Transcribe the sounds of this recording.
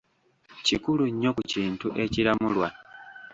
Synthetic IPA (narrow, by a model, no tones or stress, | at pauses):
cikuluɲːo̞kuciːntuʔe̞ciɾamulwa